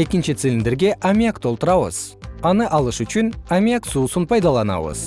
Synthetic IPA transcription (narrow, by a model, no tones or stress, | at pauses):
e̞kʲɪnʃɪt̪silʲɪnd̪ɪɾɡʲe̞ʔamʲiakt̪ʰo̞lˠt̪əɾɑwə̰z̥ɑnəʔɑlˠəʃʏʃɪnamʲijaksusənpʰɑjd̪ɑlˠɑnɑ̰wə̰z̥